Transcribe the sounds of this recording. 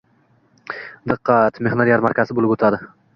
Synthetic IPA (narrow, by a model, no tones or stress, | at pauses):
d̪ɨqʰːɑt̪meχnoɾijaɾmaɾkʲazɪbolɪpot̪ʰad̪ɪ